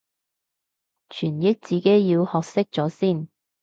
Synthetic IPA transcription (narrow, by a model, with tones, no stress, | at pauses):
t͡ʃʰyː˨˩njɪ˥k̚t͡siː˨˧ke˨˥jjiː˧whɔː˨˧k̚sɪ˥k̚t͡sɔː˨˥siː˥˩n